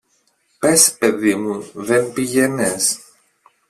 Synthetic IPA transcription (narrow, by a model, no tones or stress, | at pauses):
pe̞speðimuðenpiʝenes